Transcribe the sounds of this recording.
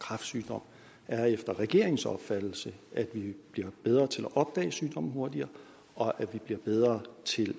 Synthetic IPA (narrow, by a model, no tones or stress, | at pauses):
kʰʁɑ̈fd̥syːd̥ɒ̽m̰ | æɐefd̥ɐʁɛɡ̥e̝ɐ̰eŋsɒ̰̽b̥fæd̥l̩səʔæd̥ʋib̥liɐ̰b̥eð̞ˠʁɐːt͡sʰe̝læʔɒ̽b̥̚d̥ɛ̰ːsyːd̥ɒ̽m̰n̩ɦo̝ɐdiɐː | ɒ̽ʔæ̥ʋib̥liɐb̥eð̞ˠʁɐt͡sʰe̝l